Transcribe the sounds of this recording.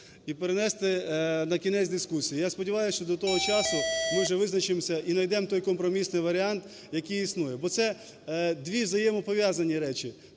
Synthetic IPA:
ipeɾenɛst̪ɛnɐkʲinɛt͡sʲd̪ɪskusʲijijaspɔdʲiʋɑjʊsʲʃt͡ʃɔd̪ɔt̪ɔɦɔt͡ʃɑsʊmɪwʒɛʋɪznɐt͡ʃɪmsʲɐʔinɐjd̪ɛmt̪ɔjkɔmpɾɔmʲisnɪjʋɐɾʲɪant̪ | jɐkɨjisnujɛbɔt̪sɛ | d̪ʋʲiwzɐjɛmɔpɔʋʲjazɐnʲiɾɛt͡ʃi

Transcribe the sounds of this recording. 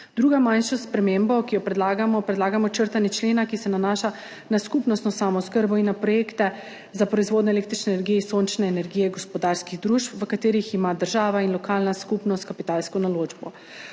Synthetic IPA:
d̪ɾuːɡamanʃɔspɾɛmembɔkijɔpɾɛd̪laːɡamɔpɾɛd̪laːɡamɔt͡ʃəɾt̪anɛt͡ʃleːnakisɛnanaʃa | naskupnɔst̪nɔsamɔskəɾbɔinːapɾɔjeːkt̪ɛ | zapɾɔizʋoːd̪nɔeɛleːkt̪ɾit͡ʃnɛːnɛɾɡijɛisoːnt͡ʃnɛːnɛɾɡiːjɛɡɔspɔd̪aːɾskiɣd̪ɾuːʃpʋəkat̪eːɾiximad̪əɾʒaːʋainlɔkalnaskupnɔst̪̚kapit̪alskɔnaloːd͡ʒbɔ̰

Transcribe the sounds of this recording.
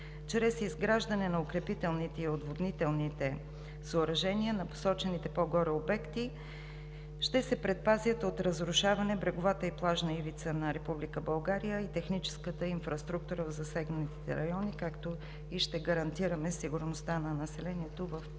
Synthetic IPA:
t͡ʃɾɛsizɡɾaʒd̪ɐnɛnɐokɾɛpit̪ɛlˠnit̪ɛiod̪vod̪nit̪ɛlˠnit̪ɛ | soːɾɐʒɛniənɐpo̥sɔt͡ʃɛnit̪ɛpoɡɔɾɛobɛkt̪i | ʃt̪ɛsɛpɾɛt̪̚pazʲjət̪ot̪ɾəzɾʊʃavɐnɛbɾɛɡovat̪əiplˠaʒnəivit̪sənɐɾɛpublikəbɐlˠɡaɾijəit̪ɛxnit͡ʃɛ̥skət̪əinfɾɐst̪ɾuk̚t̪uɾəzɐsɛɡnət̪i̥t̪ɛ̰ɾɐjɔnikakt̪o | iʃt̪ɛɡɐɾɐnt̪iɾəmɛsiɡʊɾnost̪anɐnɐsɛlɛniɛt̪ovɐf

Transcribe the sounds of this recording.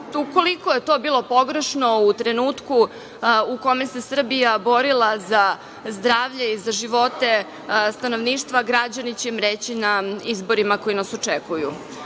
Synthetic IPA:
uko̞liko̞jet̪o̞ːbiːlˠo̞po̞ɡɾeʃno̞ut̪ɾenuːt̪ku | uko̞mese̞sr̩bijabo̞ɾilˠaza | zd̪ɾaːʋʎeizaʒiʋo̞t̪e̞ | st̪ano̞ʋniːʃt̪ʋaɡɾad͡ʑanit͡ɕemɾeːt͡ɕinaizbo̞ɾimako̞inasot͡ʂekujṵ

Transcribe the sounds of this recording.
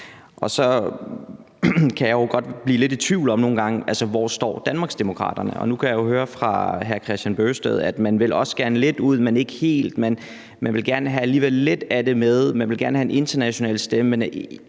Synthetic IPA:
ʔɒ̽sɒ̽ | kʰæjɑ̈joɡ̥ɒ̽d̥b̥liːle̝di̥t͡sʰʋiʊlɒ̽mno̝ːn̩ɡ̥ɑ̈ŋəʔælsəʋɒ̰ːsd̥ɒ̰ːd̥ænmɑ̈ːɡ̥sd̥emo̝kʰʁɑ̰̈d̥ɐnəɒ̽nukʰæjɑjo̝høːɐfʁɑ̈ɦæɐkʰʁɛsd̥ænb̥øːsd̥eð̞ˠæd̥mænʋe̝lʔɒ̽sɡ̥æɐnəle̝d̥uð̰ˠmene̝ɡ̥əhe̝̰ːld̥men | mænʋe̝lɡ̥æɐnəɦææliːʋelːe̝d̥æd̥e̝meðˠmænʋe̝lɡæɐnəhæenʔe̝nd̥ɐnæɕo̝nɛ̰ːlsd̥eməen

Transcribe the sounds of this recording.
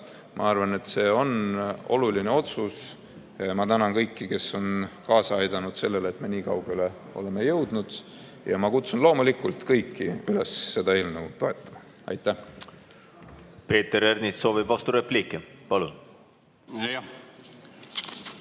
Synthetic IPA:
mʔɑ̰ɑrvɑne̞t̪se̞ːo̞no̞̰luline̞o̞t̪sus | mɑt̪ænɑŋkɤjkːike̞sːo̞nkɑːsɑɑjd̪̥ɑnud̪̥se̞lːeleːt̪me̞niːkɑwɡele̞ | o̞̰le̞me̞jɤwd̪̥nud̪̥ | jɑmɑkut̪sunlo̞ːmulikult̪kɤjkːiyle̞sːe̞d̪̥ɑe̞ːlmneut̪o̞e̞t̪ːˑɑ̥mɑ | ɑ̰jt̪ːˑæh | pe̞ːt̪eɾernit̪so̞ːvib̥vɑst̪uɾeplikːˑipɑlun

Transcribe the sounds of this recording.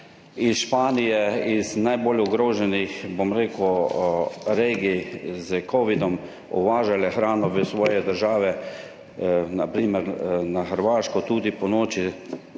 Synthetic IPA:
isʃpaːnijɛiznajboːlɔɡɾoːʒɛnixbomɾeːku | ɾeːɡizəkʰɔːʋid̪ɔm | ɔ̰ʋaːʒalɛxɾaːnɔʋəsʋɔːjɛd̪əɾʒaːʋɛ | napɾiːməɾnaxəɾʋaːʃkɔt̪uːd̪ipɔnoːt͡ʃi

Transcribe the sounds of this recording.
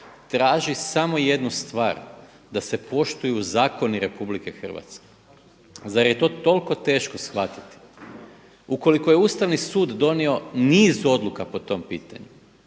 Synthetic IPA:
t̪ɾaːʒisamo̞je̞d̪nust̪ʋa̰ːɾ | d̪ase̞po̞ʃt̪ujuzaːko̞niɾe̞publike̞xr̩ʋa̰t̪ske̞ | zaɾje̞t̪o̞ːt̪o̞lko̞t̪e̞ːʃko̞sxʋat̪i̥t̪i̥ | uko̞liko̞je̞uːst̪aʋnisuːd̪ːo̞nio̞niːzuo̞d̪lukapo̞t̪o̞mpiːt̪aɲu

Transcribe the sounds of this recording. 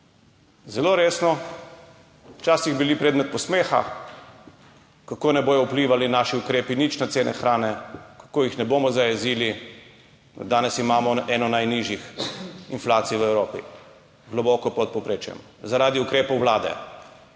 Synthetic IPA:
zɛloːɾeːsnɔ | wt͡ʃaːsiɣbilipɾeːd̪mɛt̪̚pɔsmeːxa̰ | kakoːnɛboːjɔwpliːʋalinaːʃiukɾeːpinit͡ʃnat̪seːnʔɛ̰xɾaːnɛkḁkoːjixnɛboːmɔzajɛziːli | d̪aːnɛsimaːmɔɛnɔnajniʒjixinflaːt̪sijʋəɛwɾoːpḭ | ɡlɔbɔːkɔpɔt̪̚popɾeːt͡ʃjɛ̰m | zaɾaːd̪iukɾeːpɔwʋlaːd̪ɛ̰

